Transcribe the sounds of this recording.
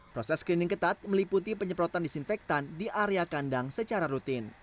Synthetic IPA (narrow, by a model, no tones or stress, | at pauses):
pɾɔsɛskɾinɪŋkət̪at̪̚məliput̪ipəɲəpɾɔt̪andisinfɛk̚t̪andiʔaɾeakandaŋsət͡ʃaɾaɾut̪ɪn